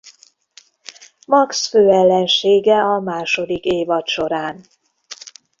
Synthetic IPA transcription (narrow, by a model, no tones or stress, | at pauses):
mɒksføːɛlːɛnʃeːɡɛɒmaːʃo̞d̪ikeːvɒt̪ʃo̞ɾaːn